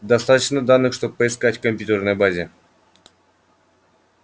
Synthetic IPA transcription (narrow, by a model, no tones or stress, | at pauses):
d̪ɐst̪at̪ət͡ɕnəd̪anːɨxʂt̪ob̚pːəɪskatʲkəmʲpʲjut̪ʲərnəjbazʲɪ